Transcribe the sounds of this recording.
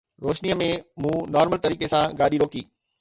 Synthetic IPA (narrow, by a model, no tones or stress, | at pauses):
ɾoːʃniəmẽmũːnaːɾməlt̪ɐɾiːkesãɡaːɗiɾoːkiː